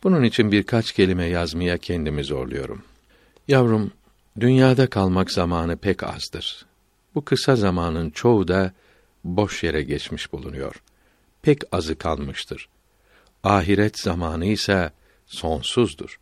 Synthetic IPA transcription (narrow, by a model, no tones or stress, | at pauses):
b̥ununit͡ʃʰinbiɾkʰat͡ʃcʰe̞lʲimɛjazmajacʰɛnd̪imizo̞̰ɾlˠujo̞̰ɾṵm | javɾum | d̪ynjaːd̪akʰalˠmakz̥amaːnɯpʰɛcʰa̰zd̪ɯɾ̥ | b̥ukʰɯsazamaːnɯnt͡ʃʰo̞ud̪a | bo̞ʃjeɾɛɟɛt͡ʃmiʃb̥ulˠunujo̞̰ɾ̥ | pʰɛcazɯkʰa̰lˠmɯʃt̪ʰɯɾ̥ | aːɦiɾɛt̪z̥amaːnɯisɛ | so̞nsuzd̪ṵɾ̥